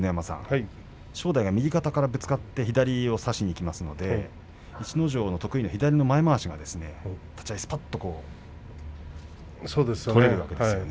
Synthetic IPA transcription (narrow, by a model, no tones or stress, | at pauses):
nejamasã̰ŋ | ɕo̞ːd̪aiɡamʲiɡʲikat̪akaɾabɯ̟t͡sɨ̥kat̪ːe̞çid̪aɾʲio̞saɕiɲ̟iːkʲimasɨno̞d̪e̞ | it͡ɕino̞ʑo̞ːno̞t̪o̞kɯ̟ino̞çid̪aɾʲino̞maemaːɕiɡa̰d̪e̞sɨne̞t̪ʰḁt͡ɕaisɨ̥pat̪ːo̞ko̞ː | soːd̪esoɾe̞ɾɯ̟βa̰ke̞d̪sjone